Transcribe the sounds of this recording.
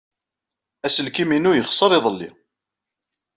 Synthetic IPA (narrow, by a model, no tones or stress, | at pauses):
æsəlkiminujəχsˤəɾˤɪðˤəlːḭ